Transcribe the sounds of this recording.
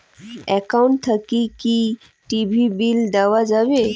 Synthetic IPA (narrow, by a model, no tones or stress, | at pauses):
ekawuɳʈt̪ʰəkiki | ʈibʱibild̪aʋad͡zaʋe